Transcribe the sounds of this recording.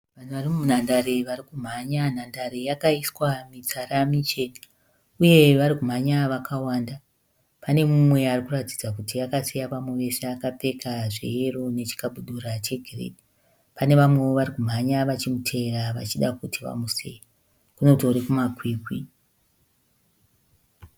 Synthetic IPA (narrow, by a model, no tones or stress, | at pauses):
ʋan̤uʋarimumun̤andaɾeʋarikum̤aɲanandaɾejakaiswamit͡saɾamit͡ʃeni | uje̞ʋaɾikum̤aɲaʋakʰawaːnda | pane̞mumwe̞arikuratid͡zakutiakasejapamweʋe̞seakape̞kʰaʐḛjerone̞t͡ʃi̥kaɓuɗuɾat͡ʃe̞ɡʱirḛdi | pane̞ʋamwe̞oʋaɾikum̤aɲaʋat͡ʃimutʰe̞ɾaʋa̰t͡ʃiɗakutʰiʋa̰musḛja | kuno̞toɾikumakwiːkwi